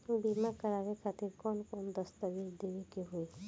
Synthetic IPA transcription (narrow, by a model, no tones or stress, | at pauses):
bimakaɾaɾekʰat̪iɾkɔnkɔnd̪ɔst̪abiɾd̪ewekeɦoe